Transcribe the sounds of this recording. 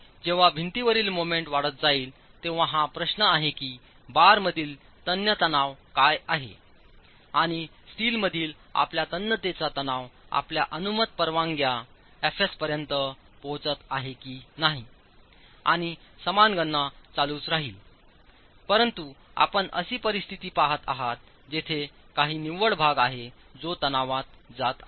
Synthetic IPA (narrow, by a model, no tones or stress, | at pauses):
d͡ʑeʋ̤abʱint̪iʋəɾiːlmomeɳʈʋaɽət̪̚d͡zaiːl | t̪eʋ̤ãɦãpɾəɕnəaɦekiː | baɾməd̪ʱiːl | t̪ənjət̪ənaʋkajaɦḛ | aɽ̃i | sʈiːlməd̪ʱiːl | a̰pljat̪ənjət̪et͡sat̪ənaʋa̰plja̰ʔənumət̪̚pəɾʋãŋɡja | efespəɾjənt̪ə | pɔ̃t͡sət̪aɦekiːnaɦi | a̰ɽ̃isəmanɡəɳːat͡saluːt͡sɾaɦiːl | pəɾənt̪u | a̰pəɳə̰siːpəɾist̪ʰit̪iːpaɦət̪a̰ɦat̪̚ | d͡ʑet̪ʰe | kaɦiːniʋəɭbʱaɡaɦe | d͡zot̪ənaʋat̪̚d͡zat̪a